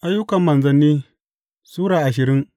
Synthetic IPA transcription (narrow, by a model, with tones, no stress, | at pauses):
ʔa˦jːʊ˦kɐ˨mːɐ˨nzɐ˦nːiː˦ | suː˦ɽaː˨ʔa˨ʃɪ˨ɾɪ˦ŋ